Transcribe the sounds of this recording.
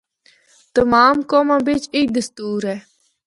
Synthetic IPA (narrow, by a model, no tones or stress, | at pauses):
t̪əmaːmkoːmãːbɪt͡ʃɪk̚d̪əst̪uːɾɦɛː